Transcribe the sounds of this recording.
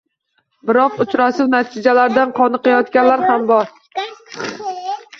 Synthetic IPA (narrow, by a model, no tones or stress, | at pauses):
bɪɾɒqʊt͡ʃɾasɪwnat̪ʰɪd͡ʒalaɾd̪anqʰɒnɨqʰɑjɒt̪kʲanlaɾhambɒɾ